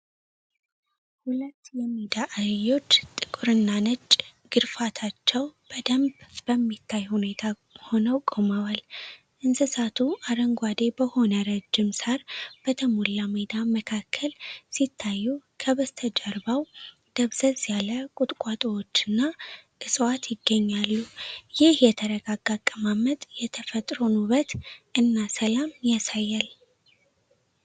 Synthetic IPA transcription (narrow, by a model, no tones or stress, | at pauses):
hulət̪ːjɛmːid̪aʔajːo̞t͡ʃːt̪ʼɨkʼuɾɨnːanət͡ʃʼɡ̥ɨɾfat̪ʰat͡ʃːɛwb̥əd̪əmbb̥əmːit̪ʰːajhune̞t̪ʰa | ho̞nəwkʼoməwal | ʔɨnsɨsat̪ʰuʔaɾəŋɡʷad̪e̞bəho̞nəɾəd͡ʒːɪmsaɾb̥ət̪ʰəmulːamed̪aməkʰakʰːəlsit̪ʰːajːukʰəβəst̪ʰəd͡ʒəɾbaw | d̪̥əβzəzʼjaləkʼʊt̪ʼkʼat̪ʼəwot͡ʃːɨnːaʔɨsʼwat̪jɪɡːəɲːalːujɪhjɛt̪ʰəɾəɡaɡaɡʼːəmamət̪ʼjɛt̪ʰəfət̪ʼɾonuβət̪ʔɨnːasəlamjasajːal